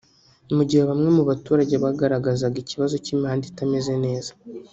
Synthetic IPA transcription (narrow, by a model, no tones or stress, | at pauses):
nimuɟiheβamŋe̞muβatuːɾaɟeβaɡaɾaɡazaɡiciβazo̞cimihaːnditame̞ze̞ne̞ːzḁ